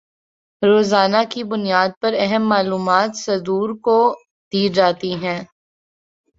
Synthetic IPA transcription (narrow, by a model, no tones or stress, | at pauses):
ɾoːzaːnakibʊnijaːd̪̚pɐɾɛɦəmːaːluːmaːt̪sɐd̪uːɾko | d̪̥iːd͡ʒaːt̪iɦɛ̃ː